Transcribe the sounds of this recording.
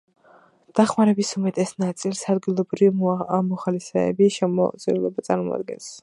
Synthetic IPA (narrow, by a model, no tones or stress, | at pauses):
d̪̥aχmaɾɛbisumɛt̪ʼɛsnat̪sʼilˠsad̪ɡilˠɔbɾimɔχalisɛ̰ːbiʃɛmɔ̰zʼiulˠɔbat̪sʼa̰ɾmɔ̰a̰d̪̚ɡɛ̰ns